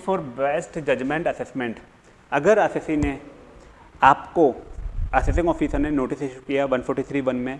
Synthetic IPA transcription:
fʰɔːɾbeːsʈd͡ʒɐd͡ʒmẽɳʈɐsesmẽɳʈ | ɐɡəɾɐsesine | aːpkoɐses̬ɪ̃ŋɡɔːfisəɾnẽnoːʈiseʃukijaʋɐ̃npʰɔːɾʈit̪ʰɾiːʋɐnmẽ

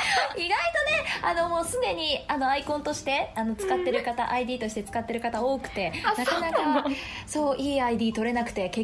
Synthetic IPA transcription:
iɡait̪o̞ne̞ano̞mo̞ːsɨd̪e̞ɲ̟iano̞aikõ̞nt̪o̞ɕi̥t̪e̞ano̞t͡sɨ̥kat̪ːe̞ɾɯ̟kat̪a̰ʔaid̪iːt̪o̞ɕi̥t̪e̞t͡sɨ̥kat̪ːe̞ɾɯ̟kat̪ao̞ːkɯ̟̥t̪e̞nakanakaso̞ːʔiːaid̪iːt̪o̞ɾe̞nakɯ̟̥t̪e̞ke

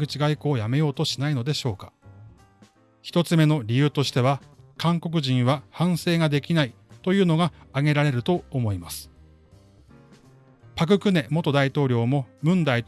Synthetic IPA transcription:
ɯ̟t͡ɕiɡaiko̞ːjame̞jo̞ːt̪o̞ɕinaino̞d̪e̞ɕo̞ːkḁ | çi̥t̪o̞t͡sɨme̞no̞ɾʲijɯ̟ːt̪o̞ɕi̥t̪e̞βakãŋko̞k̬ɯ̟ʑĩɰ̃βahãɰ̃se̞ːɡad̪e̞kʲinait̪o̞jɯ̟ːno̞ɡaːɡe̞ɾaɾe̞ɾɯ̟t̪o̞ːmo̞imasɨ̥ | pak̬ɯ̟kɯ̟ne̞mo̞t̪o̞d̪ait̪o̞ːɾʲo̞ːmo̞mɯ̟̃nd̪ait̪

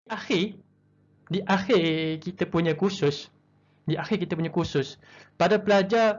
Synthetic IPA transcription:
ʔaxɪ | diʔaxɪrkit̪apuɲãkusʊs | diʔaxɪrkit̪apuɲãkusʊs | padapəlad͡ʒa

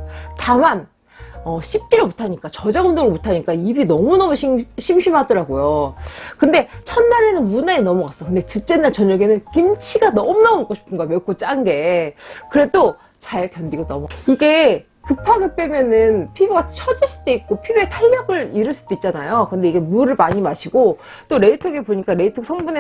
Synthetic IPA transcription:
taman | ʌɕʰip̚k͈iɾomutʰaɲik͈at͡ɕʌd͡ʑaɡɯndoŋɾomutʰaɲik͈aibinʌmunʌmuɕʰiɕʰimɕʰimɦadʌɾaɡojokɯnde̞t͡ɕʰʌnːaɾe̞nɯnmunaenʌmʌɣas͈ʌkɯnde̞tɯt͡ɕ͈e̞nːaɭt͡ɕʌɲʌɡenɯnkimt͡ɕʰiɡanʌmunamomok͈ʰoɕʰi̥pʰɯnɡamjʌk͈ʰːot͡ɕ͈aŋɡe̞kɯɾe̞do | t͡ɕaɭpjʌndiɡanʌmiɡe̞ | kɯpʰaɡɯp͈emjʌnɯnpʰibuɡat͡ɕʰʌd͡ʑɯɭs͈u̥d͈eik͈̚opʰibuetʰaʎːʌɡɯɭiɾɯɭs͈ud̥oit̚t͡ɕ͈anajokɯnde̞iɡe̞muɾɯɭmaɲimaɕʰiɡ̥o | t͈oɾe̞itʰoɡepoɲik͈aɾe̞itʰoksʰʌŋbune

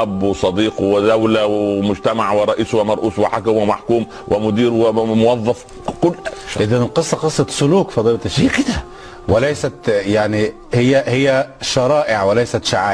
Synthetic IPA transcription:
ʔæbːwsˤɑd̪iːqwɪd̪æwlæwmʊd͡ʒt̪æmaʕwɪɾˤɑʔiːswɪmɑɾˤʔuːswɪħakæmwɪmaħkuːm | wʔɪmʊd̪iːɾwɪmʊwɑðˤːɑf | kʊlːʃʔɪðænɪlqɨsˤːɑqɨsˤːɑt̪sʊluːkfɑd̪ˤiːlɑt̪ɪʃːikɪd̪æ | wɪlæjsæt̪jaʕni | hɪjːæhɪjːæʃɑɾˤɑːʔɪʕwɪlæjsæt̪ʃaʕaː

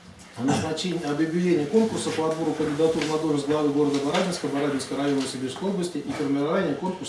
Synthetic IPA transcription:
ɐnəznat͡ɕenʲɐbjʊbʲɪdʲenʲɪjəko̞nkʊrsəpəɐd̪boɾʊkənʲdʲɪd̪at̪urnɐd̪oʐɨzʲɡlˠɐvɨɡo̞ɾəd̪əbɐɾabʲɪnskəbɐɾabʲɪnskəjɾɐjonəvəsʲɪbʲirskəjo̞blˠəsʲtʲɪʔifərmʲɪɾavanʲɪjəko̞nkʊrs

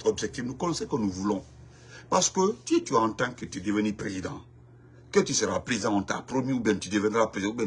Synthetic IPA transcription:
ɔbʒɛk̚tivnukɔnɔ̃sɛkonuvulɔ̃ | paskøtietuãɔ̃ntãŋketidevɛnipɾezidã | ketiseɾa̰pɾizãɔ̃tã̰pɾomiubɛntidevɛ̃nɾapɾẽubɛ

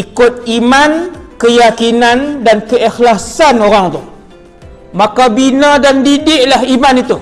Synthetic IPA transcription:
ikʊt̪̚imankəjakinandankəixlasanoɾaŋt̪ʊh | makabinãdandidɪʔlaɦimanit̪u

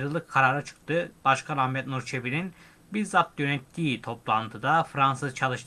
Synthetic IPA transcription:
ɾɯlˠɯkʰːaɾaːɾat͡ʃʰɯ̥k̚t̪ʰɯb̥aʃkʰanammɛt̪nuɾt͡ʃʰebinin | biɾzat̪̚jønɛt̪ːiːt̪ʰo̞plˠant̪ʰɯd̪afɾansɯzt͡ʃʰalˠɯʃt̪ʰ

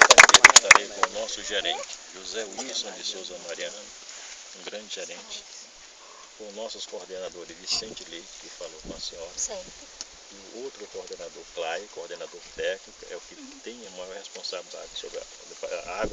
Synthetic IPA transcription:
akeɾiʃt̪aɾejkõʊnɔsʊʒeɾẽt͡ʃɪ̥ʒuzɛwisõd͡ʒɪsowzɐmaɾiɐ̃nʊ | ũɡɾɐ̃d͡ʒɪʒeɾẽt͡ʃɪ̥ | kõnɔsʊskoɾd̪enad̪oɾɪzvisẽnt͡ʃɪlejt͡ʃɪ̥kɪfalokɐ̃siɔɾs | ɪʊowt̪ɾʊkoɾd̪enad̪oɾklajkoɾd̪enad̪oɾt̪ɛknikʊɛ̰ʊkɪt̪ẽj̃ɐmajhespõsabilid̪a̰d͡ʒɪsobɾɐ̰ | aɡwɐ

